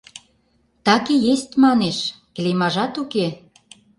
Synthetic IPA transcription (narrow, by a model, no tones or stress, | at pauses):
t̪ɑkejest̪mɑneʃklemɑʒɑt̪uke